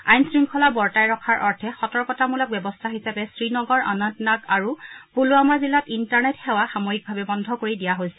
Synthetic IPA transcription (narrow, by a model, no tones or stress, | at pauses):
ajnsɹiŋkʰɔlabɔɹtajɹɔkʰaɹʔɔɹtʰɛxɔtɔɹkɔtamulɔk̚bɛbɔstʰaɦisapɛsɹinɔɡɔɹa̰nɔntnakaɹupuluamaɹzilatintaɹnɛtxɛwaxamoɦik̚bʱabɛbɔndʱɔkoɹidijaɦojsɛ̥